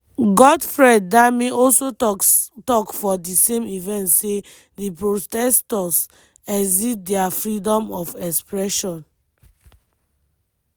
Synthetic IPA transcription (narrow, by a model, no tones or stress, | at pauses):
ɡɔdfɹɛ̃dːamiɔlsotɔkfɔdisẽmivɛ̃ntse | dipɹotɛstɔs | ɛzit̚dɛafɹidɔ̃mɔfɛkspɹɛʃɔ̃n